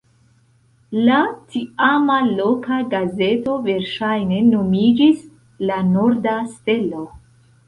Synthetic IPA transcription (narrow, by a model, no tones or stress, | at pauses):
latiamalokaɡaze̞to̞ve̞ɾʃajne̞no̞mid͡ʒis | lanoɾdaste̞lo̞